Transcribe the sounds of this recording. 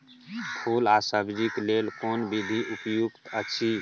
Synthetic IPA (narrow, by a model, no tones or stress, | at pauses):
pʰuːlaːsəɡd͡ʒikleːlkoːnbid̪ʱiʔupjukt̪əʃʰi